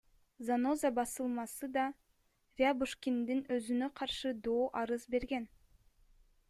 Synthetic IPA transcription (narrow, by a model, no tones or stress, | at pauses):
zano̞zabɑsɯlˠmɑsɯd̪ɑ | vʲiabuʃkʲind̪inøzynøqʰɑɾʃɯd̪oːʔɑɾɯzbe̞ɾɡen